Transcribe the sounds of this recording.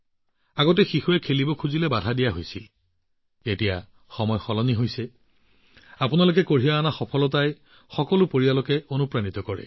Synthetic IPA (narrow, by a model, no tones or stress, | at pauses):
aɡɔt̬ɛxixuɛkʰelibɔkʰuzilɛbadʱadijaɦojsil | etija | xɔmɔjxɔlɔniɦojsɛ | apunalʊk̬ɛkoɹijaːnaxɔpʰɔlɔtaj | xɔkɔlʊpoɹialokɛonupɹanitɔkɔɹɛ̰